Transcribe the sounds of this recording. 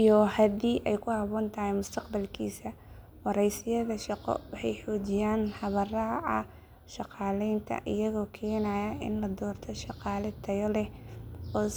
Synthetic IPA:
ʔijɔhɐd̪iːʔɛjkʰʊhɑβɔːnt̪ʰɐhɛjmʊst̪ʰɐqbɐlkʰḭːsɐ | wɑɾɛjsɪjɐðɐʃɑqɔ̰wɑħɑjħɔːt͡ʃɪjaːnħɑβɐrɑʕɑ̰ | ʃɑqɑːlɛjnt̪ʰɐ̰ʔɪ̰jɐɣɔːkʰɛːnɐjɐɪ̰nlɐd̪ɔːrt̪ʰɔʃɑqɑːlɛt̪ʰɐjɔlɛ | ɔː

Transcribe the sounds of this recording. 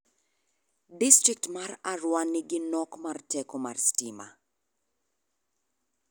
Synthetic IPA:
distɾik̚tmararwaniɡɪnɔkmartɛkoma̰rstima̰

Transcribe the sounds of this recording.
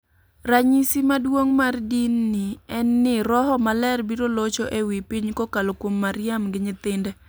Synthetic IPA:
raɲisimadwoŋmardinːɪɛnːɪɾɔɦɔmalɛrbiɾolot͡ʃoʔewipiɲkokalokwomːaɾjamɡɪɲɪt̪ɪndɛ

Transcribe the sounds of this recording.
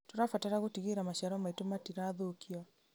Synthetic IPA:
toɾafataɾaɣotiɣeɾamaɕaɾɔmaitomatiɾaðokʰiɔ

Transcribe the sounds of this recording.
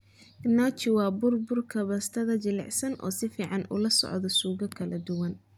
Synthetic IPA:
nat͡ʃɪwɑːbʊrbʊrkʰɐβɐst̪ʰɐðɐt͡ʃɪlɛ̰ʕsɐnʔɔ̰ːsɪfiːʕɑnʔṵlɐsɔ̰ʕd̪ɔsuːɣɐkʰɐlɐd̪ʊwɐn

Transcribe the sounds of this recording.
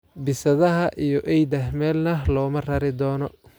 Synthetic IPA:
bɪsɐðɐɦɐʔijɔʔɛjd̪ɐhmɛːlnɐlɔːmɐrɐɾɪd̪ɔːnɔ

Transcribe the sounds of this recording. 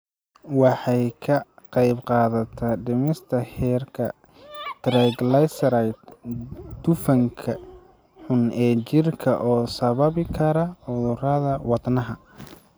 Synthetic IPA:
wɑħɑjkʰɐqɑjbqɑːðɐt̪ʰɐɖɪmɪst̪ʰɐhɛːrkʰɐ | t̪ɾɛɡlɐjsɾajt̪ | d̪̥ʊfɐŋkʰɐ | ħʊnɛːt͡ʃɪrkʰɐʔɔːsɐβɐβɪkʰɐɾɐħʊðʊrɐðɐwɑd̪nɐɦɐ

